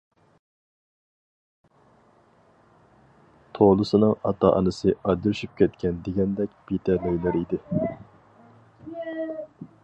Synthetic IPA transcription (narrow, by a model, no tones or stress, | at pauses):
t̪ʰolˠɨsɨnɨŋɑt̪ʰɑ̰ʔɑ̰nɨsɨɑd͡ʒ̪yɾʃyp̚kʲʰɛt̪kʲɛnd̪eɡʲɛnd̪ɛkʲb̥it̪ʰɛløɥlæɾid̪ɪ